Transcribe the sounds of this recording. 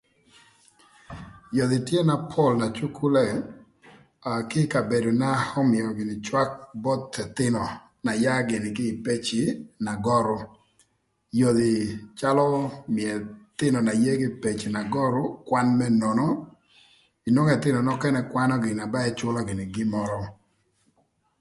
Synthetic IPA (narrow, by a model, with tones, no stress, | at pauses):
jo˨d̪ɪ˨tje˦na˨pʰɔ˦˨lna˨t͡ʃu˦kʰu˦lɛ˦˨ | a˨kɪ˦ka˨be˨do˨na˦hɔ˦mɪ˨ɔ˨ɡɪ˨nɪ˨t͡ʃwa˦k̚bɔ˦t̪ɛ˨t̪ɪ˦nɔ˨ | na˨ja˦ɡɪ˨nɪ˨kɪ˦˨pe˦t͡ʃɪ˨na˨ɡɔ˦ɾʊ˦ | jo˨d̪ɪ˨t͡ʃa˦lɔ˦mɪ˨ɛ˨t̪ɪ˦nɔ˨na˨je˦ɡɪ˦pe˨t͡ʃi˨na˨ɡɔ˦ɾʊ˦kwa˦nmɛ˦nɔ˨nɔ˦ | i˨nɔ˦ŋɛ˨t̪ɪ˦nɔ˨nɔ˦kɛ˦nɛ˦kwa˦nɔ˦ɡɪ˨na˨ba˦ɛ˦t͡ʃʊ˦lɔ˦ɡɪ˨nɪ˨ɡɪ˦mɔ˦ɾɔ˦